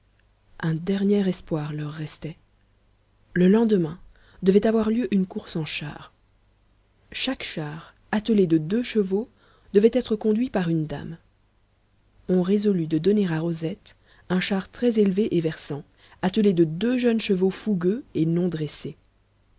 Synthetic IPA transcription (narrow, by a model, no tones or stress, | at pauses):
ɛ̃d̪ɛʁnjɛʁɛspwaʁlœʁːɛst̪ɛ | ləlɑ̃d̪əmɛ̃ | d̪əvɛt̪avwaʁljøʔynkuʁsɑ̃ʃa̰ʁ | ʃakʃaʁ | at̪əled̪əd̪øʃəvo | d̪̥əvɛt̪ɛt̪χəkɔ̃d̪ɥipaʁynd̪a̰m | ɔ̃ʁezɔlyd̪əd̪ɔneʁaʁozɛt̪ | ɛ̃ʃaʁt̪χɛzelveʔevɛʁsɑ̃ | at̪əled̪əd̪øʒœnʃəvofuɡʲøenɔ̃d̪ʁɛse